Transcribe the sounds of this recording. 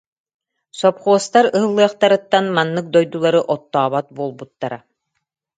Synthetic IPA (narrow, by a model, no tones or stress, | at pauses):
sɔpχuɔst̪aɾɯɦɯlˠːɯɐχt̪aɾɯt̪ːanmanːɯk̚d̪ɔjd̪ulˠaɾɯʔɔt̪ːɔːβat̪̚buɔlˠbut̪ːaɾa